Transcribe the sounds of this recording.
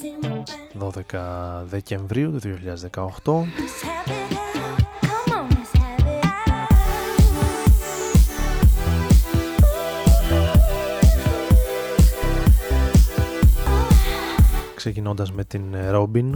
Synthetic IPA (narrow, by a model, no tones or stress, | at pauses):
ðo̞ðe̞kɐðe̞ce̞ɱvɾiut̪uðioçiʎɐðezðe̞kɐoxt̪o̞ | kse̞cino̞nd̪ɐzme̞t̪inɾo̞bin